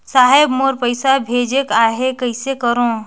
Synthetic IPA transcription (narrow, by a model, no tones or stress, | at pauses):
saːɦebmoɾpəɪsabʱeːd͡ʒekaːɦekəɪsekəɾõ